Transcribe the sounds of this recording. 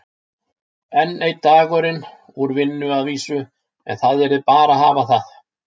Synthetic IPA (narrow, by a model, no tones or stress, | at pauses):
ɛnːejt̪ːaakœɾɪn | uɾvɪnːʏaðviːsʏ | ɛ̰nθaðɛɾðɪpaːɾahaːvaθaθ